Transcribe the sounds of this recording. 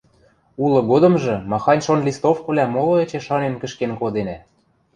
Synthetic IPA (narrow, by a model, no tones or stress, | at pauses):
ulɤ̆ɣod̪ɤ̆mʒɤ̆mɑxɑnʲʃonlʲist̪ofkɤ̆βlʲæmolˠɤ̆ĕt͡ɕeʃɑnenkə̆ʃkenkod̪enæ